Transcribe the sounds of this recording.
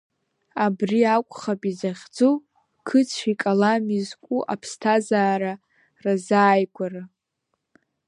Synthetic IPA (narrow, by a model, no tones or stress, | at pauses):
abriakʷʼχapʼizaχʲd͡zo | kʰɨt͡sʰikʼalamizkʷʼuʔapʰstʰazaːɾa | razaːjɡʷʰʼara